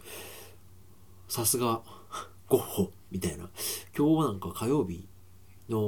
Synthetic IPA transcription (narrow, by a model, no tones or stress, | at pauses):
sasɨɡa | ɡ̥oho | mʲit̪aina̰kʲo̞ːnãŋkakʰajo̞ːbʲi | no̞